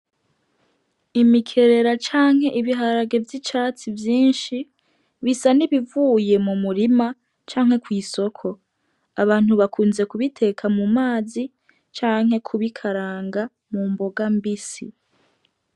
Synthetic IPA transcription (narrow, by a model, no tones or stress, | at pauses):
imikʰe̞ɾe̞ɾat͡ʃaːŋhe̞ʔiβiɦaɾaɡe̞vjit͡ʃaːt͡sivjiːnʃi | βisaniβivuːje̞mumuɾima | t͡ʃaːŋ̥he̞kwiːso̞kʰo̞ | aβaːn̥huβakʰuːnze̞kuβitʰe̞kʰamumaːzi | t͡ʃaːŋhe̞kʰuβikʰaɾaːŋɡa | mumbo̞ɡambisi